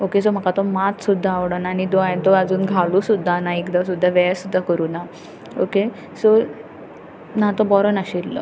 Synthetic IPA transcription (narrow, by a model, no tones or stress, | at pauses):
okes̬om̤əkat̪ɔmat̪sud̪ʱːaːʋɽanaːñid̪oajt̪ɔad͡zuːnɡʱalusud̪ʱːanaekd̪as̬ud̪ʱːaʋɛsud̪ʱːakəɾuːna | oke | so | nat̪ɔbɔɾənaɕilːə̰